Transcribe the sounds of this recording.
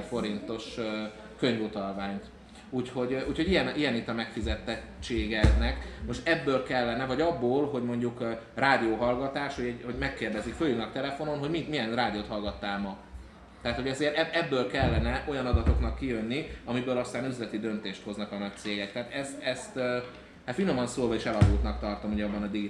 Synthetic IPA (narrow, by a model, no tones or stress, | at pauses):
fo̞ɾint̪o̞ʃ | køɲvut̪ɒlvaːɲt̪ | uːcho̞ɟuːcho̞ɟijɛnijɛnit̪ːɒmɛkfizɛt̪ɛ | t͡ʃːeːɡɛd̪nɛkmo̞ʃt̪ɛbːøːlkɛlːɛnɛvɒɟɒbːoːlɦo̞ɟmo̞ɲɟuk | raːd̪ioːɦɒlɡɒt̪aːʃhoɛho̞ɟmɛkːeːrd̪ɛzikføljulnɒkt̪ɛlɛfo̞no̞nɦo̞ɟmimijɛnraːd̪ioːt̪hɒlɡɒt̪ːaːlmɒ | t̪ɛɦaːt̪hoɒzeːɾɛɛbːøːlkɛlːɛnɛʔo̞jɒnɒd̪ɒt̪o̞knɒkːijø̞nːiɒmibøːlɒst̪aːnyzlɛt̪id̪ø̞nt̪eːʃt̪ho̞znɒkɒnɒc̚t̪seːɡɛk̚t̪ɛaːt̪ɛst̪ɛst̪ː | hat̪fino̞mɒnsoːlvɒiʃɛlɒɡuːt̪nɒk̚t̪ɒrt̪o̞mho̞ɟɒbːɒnɒd̪iɡi